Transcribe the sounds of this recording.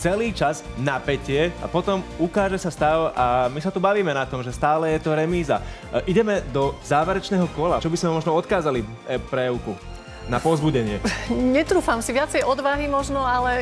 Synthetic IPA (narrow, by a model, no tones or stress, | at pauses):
t͡sɛliːt͡ʃaznapɛcɪɛa̰pɔt̪ɔmukaːʒɛsast̪aʊʔamisat̪ubaʋiːmɛnat̪ɔmʒɛst̪aːlɛjɛt̪ɔɾɛmiːza̰ | ʔiɟɛmɛd̪ɔzaːʋɛɾɛt͡ʃnɛːɦɔkɔlat͡ʃɔbizmɛmɔʒnɔɔt̪kaːzali | pɾɛʊku | napɔzbuɟɛɲɪɛɲɛt̪ɾuːfamsiʋɪat͡sɛjɔd̪ʋaɦimɔʒnɔalɛ